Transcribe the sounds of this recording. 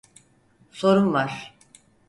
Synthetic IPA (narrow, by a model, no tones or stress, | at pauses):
so̞ɾunvaɾ̥